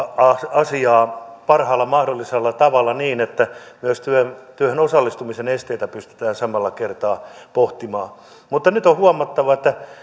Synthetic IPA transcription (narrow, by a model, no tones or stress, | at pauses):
ɑɑsiɑːpɑrhɑːlːɑmɑhdolːiselːɑt̪ɑʋɑlːˑɑniːnet̪ːæmyøst̪yønt̪yøhenosɑlːist̪umisenest̪eit̪æpyst̪y̥t̪æːnsɑmɑlːɑkert̪ɑːpoht̪imɑː | mut̪ːɑnyt̪ohuɑmːˑɑt̪ːɑʋɑet̪ːæ